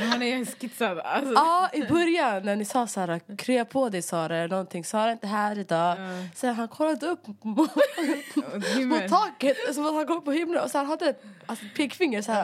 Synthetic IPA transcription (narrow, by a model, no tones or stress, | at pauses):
hanɛskɪt̪sad̪asɑːɪbœɾjanːæɳɪsɑːsæːɾakʰɾʏːapʰod̪ɛjsɑːɾaɛlɳɔnt̪ʰɪŋsɑːɾaɪnt̪əɦæːɾɪd̪ɑːsɛnɦankʰɔlːad̪əɵpːm | mʊtt̪ʰːɑːkət̪sɔmat̪hankɔmːpːɔhʏmlənɔshanɦad̪ːəɛt̪alsɔpʰeɡfɪŋːəɾsɔæːɾa